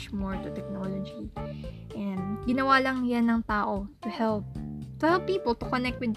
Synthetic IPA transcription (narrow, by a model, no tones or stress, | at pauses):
t͡ʃmɔɹt̪ʊt̪ɛk̚nolod͡ʒi | ʔɛ̃nd̪ɡɪnɐwaːlɐŋjanːɐŋt̪aːʔot̪ʊhɛlp̚t̪ʊhɛlpːiːpɔlt̪ʊkonɛk̚t̪wɪd̪̚